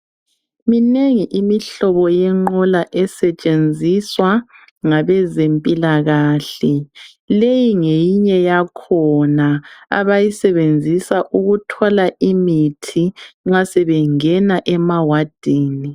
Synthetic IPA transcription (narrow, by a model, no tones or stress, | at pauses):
mineŋiʔimiɬɔβɔjɛŋ͡ǃɔlaʔɛsɛt͡ʃʼend͡zʱiswa | ŋaβɛzempʼilaɣaːɬɛ | lejiŋejiɲɛjakʰɔnaa̰βajisɛβend͡zʱisaʔuɣutʰɔlaʔimitʰiŋ͡ǁasɛβɛŋɛnaʔɛmawad̥ʱeːni